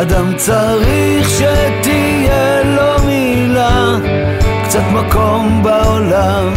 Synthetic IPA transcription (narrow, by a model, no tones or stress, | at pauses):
ad̪amt͡sa | ʁi | χʃɛt̪i | je | lomi | la | kt͡sat̪makombaola | m